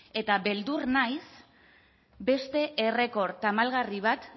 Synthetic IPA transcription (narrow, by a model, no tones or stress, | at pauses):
e̞t̪aβe̞ld̪uɾnajs | be̞st̪e̞ʔere̞ko̞ɾt̪amalɣariβ̞at̪